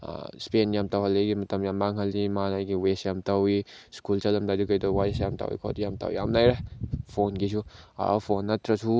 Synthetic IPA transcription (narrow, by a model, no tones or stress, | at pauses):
spenjamtawɦɐleɡimɐtɐmjambaŋɦɐlimanajɡiwesjamtawiskulsɐlɐmdadukɐjdɔwajsjamta̰wḭkʰɔ̰tjamta̰wḭja̰mnajɾepʰonɡisʰua̰pʰonːɐt̪ɾɐsʰu